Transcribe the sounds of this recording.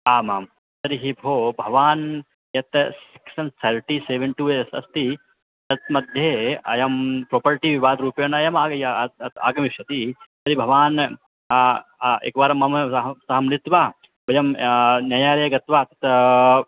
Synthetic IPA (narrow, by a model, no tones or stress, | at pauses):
aːmaːm | sɐɾiɦibʱoːbʱɐʋaːn | jɐt̪si̥ksɐnt̪ʰɐɾʈiseːʋɐɳʈuesɐ̰st̪i | t̪ɐt̪mɐd̪ʱjeːɐ̰jɐmpɾoːpɐɾʈiʋiʋaːd̪ɾuːpɐjɐnɐjɐmaːjɐt̪a̰ːɡɐmiʃjɐt̪isɐɾibʱɐʋaːn | ḛkʋaːɾɐmɐmɐɦɐsɐɦɐmnit̪ʋaː | bɐjɐmnjɐjaːɾɐːɐɡɐt̪ʋaːt̪ɐ̥t̪